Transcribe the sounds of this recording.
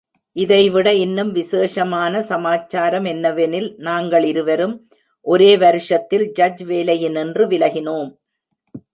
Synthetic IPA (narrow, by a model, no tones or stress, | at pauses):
ʔɪðɐɪʋɪɽɐɪnːɯmʋɪseːʂɐmaːnɐsɐmaːt͡ʃːaːɾɐmɛnːɐʋɛnɪlnaːŋɡɐɭɪɾɯʋɐɾɯm | ʔɔɾeːʋɐɾɯʂɐt̪ːɪld͡ʒɐd͡ʒʋeːlɐjɪnɛndrɯʋɪlɐɣɪnoːm